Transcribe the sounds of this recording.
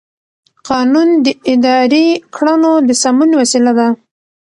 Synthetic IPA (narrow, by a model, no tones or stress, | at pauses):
qɑnund̪əɪd̪ɑɾekʰɽanod̪əsamunwasilad̪a